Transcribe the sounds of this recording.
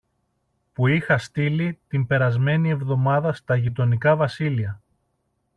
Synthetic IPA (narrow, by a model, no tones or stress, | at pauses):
puixɐst̪ilit̪imbe̞ɾɐzme̞nie̞vðo̞mɐðɐst̪ɐʝit̪o̞nikɐvɐsiliɐ